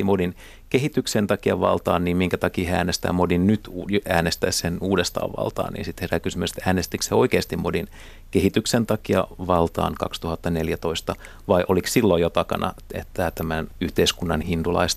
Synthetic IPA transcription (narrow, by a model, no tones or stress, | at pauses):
imodin | keɦit̪yksent̪ɑkiɑʋɑ̰lt̪ɑ̰ːnniːmmiŋkæt̪ɑkiːheæ̰ːnest̪æ̰ːmodinnyt̪ujæːnest̪æissenuːdest̪ɑ̰ːʋʋɑ̰lt̪ɑ̰ːnḭːnsit̪herækysymyse̥t̪æːnest̪ikseoikeːst̪imodin | kehit̪yksent̪ɑkiɑʋɑlt̪ɑ̰ːnkɑ̰kst̪uhɑt̪ːɑneljæt̪o̞ist̪ɑ | ʋɑiʔolikssilːojot̪ɑkɑ̰nɑ̰et̪ːæt̪æmænyht̪eiskunːɑnhint̪ulɑ̰ist̪